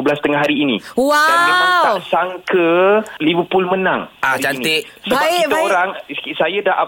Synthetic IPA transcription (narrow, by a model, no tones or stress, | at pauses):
əblast̪əŋaɦaɾiːnḭwaamiat̪asaŋkəlivəpʊlmənaŋaɾid͡ʒainiisəbaiaoɾaŋsajadaʔa